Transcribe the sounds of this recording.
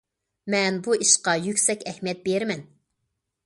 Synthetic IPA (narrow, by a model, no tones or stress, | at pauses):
mɛnbuiʃqɑjykʲsɛkʲɛhmijɛt̪̚beɾmɛn